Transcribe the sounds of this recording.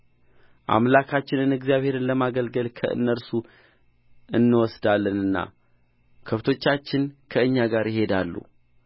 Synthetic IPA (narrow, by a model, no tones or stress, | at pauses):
ʔa̰mlakʰat͡ʃːɪnɨnɨɡzijaβhe̞ɾɨnləmaɡəlɡəlkʰə̰ʔɨ̰nːəɾsu | ɨnːɨwɔsd̪alːənɨnːa̰ | kʰəft̪ʰo̞t͡ʃːat͡ʃːɪnkʰəɨɲːaɡaɾjɪɦe̞d̪alːṵ